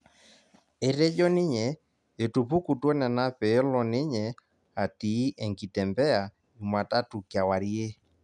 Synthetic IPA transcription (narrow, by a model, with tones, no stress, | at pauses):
e˨ɾe˦d͡ʒɔ˦nɪ˦ɲɛ˨ | e˨tu˨pu˦ku˨twɔ˦nɛ˨na˦pɛ˨˦lɔ˨ne˦ɲɛ˨ | a˨tiː˨˦ʔɛ˨ŋɡi˨tɛ˨mbɛ˦a˨ | u˨mwa˨ta˦tu˨kja˨wa˨ɾi˦e˦